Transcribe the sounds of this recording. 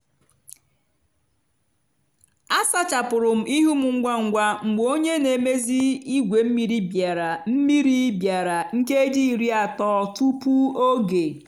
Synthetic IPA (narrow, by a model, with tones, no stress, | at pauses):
a˦sa˦t͡ʃa˨pʊ˨ɾʊ˨m̩˨˦ʔi˦ɦu˦mʊ˨ŋ̩˦ɡʷa˦ŋ̩˨ɡʷa˦ŋ͡m̩˨ɡ͡bo˦ɲe˦ne˨me˦zi˦i˦ɡʷe˨m̩˦mi˨ɾi˦bja˨ɾa˨m̩˦mi˦ɾi˦bja˨ɾa˨ŋ̩˦ke˦e˦di˦i˨ɾi˦a˨tɔː˦tu˦pu˦o˦ɡe˨